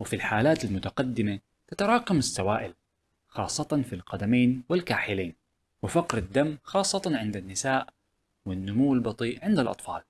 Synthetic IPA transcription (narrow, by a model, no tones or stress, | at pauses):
wɪfilħaːlaːt̪almʊt̪aqɑd̪ːɪma | t̪at̪ɑɾˤɑːqɑmɪsːawaːʔɪl | xɑːsˤːɑt̪ɑnfilqɑd̪ameːnwɪlkaːħɪleːn | wɪfɑqɾad̪ːamːxɑːsˤːɑt̪ɑnʕɪnd̪anːɪsaːʔ | wɪnːʊmuwːɪlbɑt̪ˤiːʔʕɪnd̪alʔɑ̰t̪ˤfɑːl